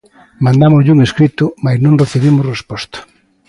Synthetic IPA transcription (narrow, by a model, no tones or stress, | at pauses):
mãnd̪amʊzʎuŋeskɾit̪ʊmajznõŋreθeβimʊsrespɔst̪ḁ